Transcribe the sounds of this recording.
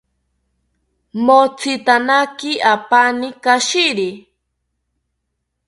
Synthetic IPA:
mot͡sʰit̪anakɪapanɪkaʃiɾi

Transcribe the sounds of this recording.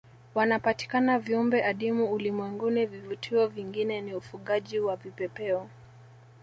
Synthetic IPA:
wanapati̥kanaviumbɛʔaɗimuulimwɛŋɡunivivutʰiɔviŋɡinɛniufuɠaʄiwapipɛpɛɔ

